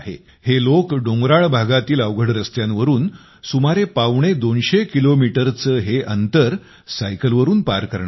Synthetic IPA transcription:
ɦḛ | helokɖoŋɡɾaɭbʱaɡat̪iːləʋɡʱəɽɾəst̪janʋəɾuːn | sumaɾepaʋɳ̃ed̪onɕekilomiʈəɾt͡səːɦeʔənt̪əɾ | sajkəlʋəɾuːnpaɾkəɾɳ

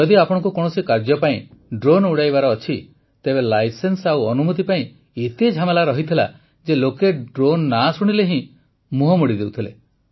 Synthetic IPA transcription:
d͡ʒɔd̪iapɔɽ̃ɔ̃ŋk̬ukɔɽ̃ɔsikaɾd͡ʒɔpaĩɖɾonuɽajbaɾɔːt͡ʃʰi | t̪ebelajsensawɔnumut̪ipaĩ | it̪ed͡ʒʱamelaɾɔɦit̪ʰila̰ | d͡ʒelokeɖɾonːasuɽ̃ileɦĩ | muɦɔmuɽid̪ewt̪ʰilḛ

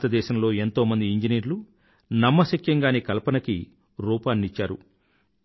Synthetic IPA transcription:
t̪ɐd̪ɛːʃɐmlo̞ːe̞nt̪o̞ːmɐnd̪iiɲd͡ʒiniːɾlu | nɐmːɐsɐkjɐŋɡaːnikɐlpɐnɐki | ɾuːpaːnːit͡ʃːaːɾṵ

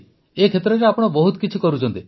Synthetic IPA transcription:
ekʰet̪ɾɔɾeapɔɽ̃ɔbɔɦut̪ɔ̥kit͡ʃʰikɔɾut͡ʃɔnt̪i

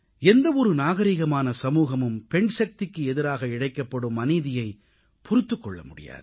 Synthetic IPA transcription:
ɛnd̪ɐɔɾɯnaːɣɐɾiːɣɐmaːnɐsɐmuːɣɐmɯmpɛɳʃɐk̚t̪ɪkːɯɛðɪɾaːɣɐɪɽɐɪkːɐpːɐɽɯmːɐniːðɪjɐɪ | pʊɾɪt̪ːɯkːɔɭːɐ̰mʊɽɪ̰ja̰ːðɯ

